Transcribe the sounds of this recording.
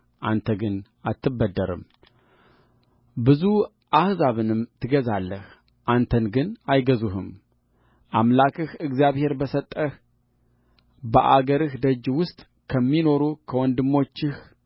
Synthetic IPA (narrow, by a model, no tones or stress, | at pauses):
ʔant̪ʰəɡɨn | at̪ʰːɨbːəd̪ːəɾɨ̰m | bɨzu | ʔahzaβɨnɨmt̪ʰɨɡəzalːəh | ʔant̪ʰənɡɨnajɡəzuhɨm | ʔamlakʰʼɨhɨɡzijaβhe̞ɾbəsət̪ʼːəh | bəʔaɡəɾɨhd̪əd͡ʒːwʊst̪ʼ | kʰəmːino̞ɾukʰəwɔnd̪ɨmːo̞t͡ʃːɪh